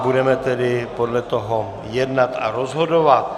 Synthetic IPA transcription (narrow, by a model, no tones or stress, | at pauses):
budɛmɛt̪ɛdɪpo̞dlɛt̪oɦo | jɛdnat̪a̰ɾozɦo̞dovat̪̚